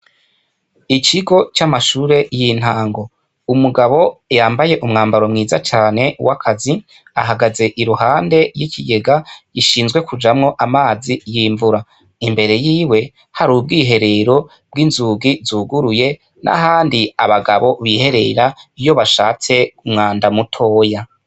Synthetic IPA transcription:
icʰiɡo̞t͡ʃamaʃuːɾe̞jin̥haːŋɡo̞ | umuɡaβo̞jaːmbaje̞ʔumŋaːmbaɾo̞mŋiːzat͡ʃaːne̞wʔakʰazi | a̰ɦaɡaze̞ʔiɾuhaːnde̞jicʰiɡe̞ɡajiʃiːnzɡwe̞kʰud͡ʒamŋo̞ʔamaːzijiːɱvuɾa | imbe̞ɾe̞jiːwe̞ | haɾuːb̚ɡiːɦe̞ɾe̞ɾo̞ | b̥̚ɡinzuːɡizuɡuɾuje̞ | nʔa̰ɦaːndiaβaɡaβo̞βihe̞ɾe̞ɾaijo̞βaʃaːt͡se̞umŋaːndamutʰo̞ːja

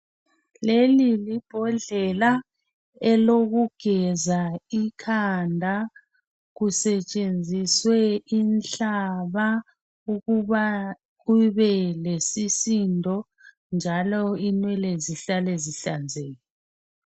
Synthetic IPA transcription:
lelilib̥ʱɔɮɛla | ɛloɣuɡ̥ʱɛzaikʰandʱa | ɣusɛt͡ʃʼend͡zʱiswɛinɬaβa | uɣua | ɣuβɛlesisindʱɔ | nd͡ʒʱalɔinwɛleziɬaleziɬand͡zʱeːjɔ

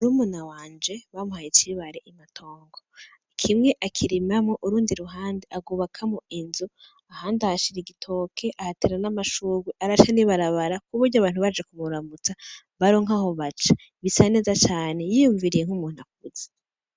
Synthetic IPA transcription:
umunawaːnd͡ʒe̞βamuhajit͡ʃiβaɾeʔimatʰo̞ːŋɡo | kʰimŋe̞ʔakʰiɾimamoʔuɾuːndiɾuɦaːndeʔaɡuːβakʰamoinzu | ahaːndahaʃiɾiɡitʰo̞kʰe̞ʔahateɾanamaʃuɡwiʔaɾaʃaniβaɾaβaɾakuβuɾɟaβaːn̥uβad͡ʒekuβuɾamut͡sa | βaɾo̞ŋaho̞βat͡ʃḁ | βisane̞ːzat͡ʃaːne̞jijuɱviɾijeŋ̥humuːnuak̚uze̥

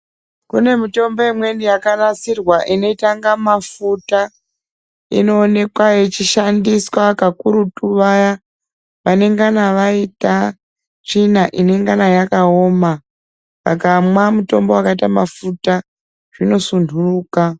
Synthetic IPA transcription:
kune̞mito̞mbo̞imwe̞nijakarat͡sirwaʔino̞itaŋɡamafuta | ḭno̞ːne̞kwajet͡ʃiʃandiswakakuɾutuʋaja | ʋane̞ŋɡanaʋaita | ʐinaʔine̞ŋɡanajakao̞ma | ʋa̰kamwamuto̞mbo̞wakaitamafuta | ʐ̥ino̞sundʱuruːka

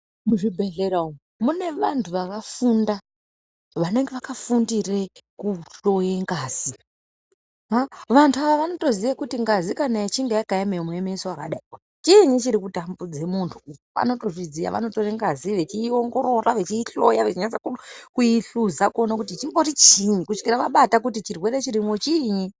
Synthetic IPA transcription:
muʐibʱe̞ɮeɾao | mune̞ʋantʰuʋakafunda | ʋane̞ŋɡeʋakafundirekuɬo̞jeŋɡaːz̥i | ɦaʋantʰuaʋaʋano̞to̞zijakutiŋɡazikanait͡ʃiŋɡejakajamemwemesowaka̰ɗaikwa | t͡ʃiɲit͡ʃiɾikutambud͡ze̞muntʰukoʋa̰no̞to̞ʐizija̰ʋa̰no̞to̞ɾeŋɡaziʋe̞t͡ʃiːo̞ŋɡo̞ɾo̞raʋe̞t͡ʃiːɬo̞jaʋet͡ʃiɲait͡sakukujiɬuzakonakutit͡ʃimbo̞rit͡ʃiɲikuʂkiɾaʋaɓatakutit͡ʃirwe̞ɾet͡ʃiɾimwot͡ʃiɲi

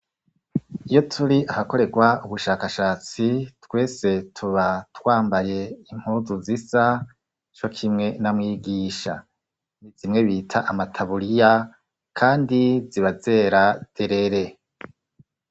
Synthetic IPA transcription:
ijo̞tʰuɾiʔahako̞ɾe̞ɡwauβuʃaːkaʃaːt͡sitwe̞ːse̞tʰuβatwaːmbaje̞im̥huːzuzisa | t͡ʃo̞kʰimŋe̞namŋiːɡiːʃa̰ | nizimŋe̞βiːtʰaʔamatʰaβuɾija | kʰaːndiziβaze̞ɾad̥eɾeɾe̞

